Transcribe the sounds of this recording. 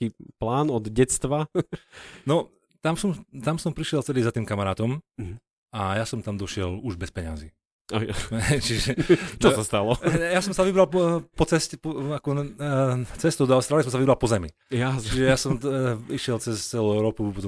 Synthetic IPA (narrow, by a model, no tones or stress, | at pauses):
iːplaːnɔd̪ɟɛt͡st̪ʋa | nɔ | t̪amsɔmt̪amsɔmpɾiʃɪɛlt͡sɛliːzat̪iːmkamaɾaːt̪ɔm | ajasɔmt̪amd̪ɔʃɪɛluʒbɛspɛɲa̰ziː | ajaɦɛjt͡ʃiʒɛt͡ʃɔsast̪alɔjasɔmsaʋibɾalpɔt͡sɛscpɔakɔ | t͡sɛst̪ud̪ɔalɛst̪ɾalisɔms̬aʋibɾalˠpɔzɛmi | jat͡ʃiʒɛjasɔmiʃɪɛlt͡sɛst͡sɛluɛʊɾɔːpupɔt̪